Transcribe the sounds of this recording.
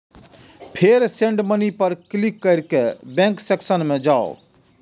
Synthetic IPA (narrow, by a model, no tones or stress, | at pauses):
pʰeɾsẽɳɖmənipɐɾklikːɐɾkebẽŋkseksənmẽd͡ʒaːo̰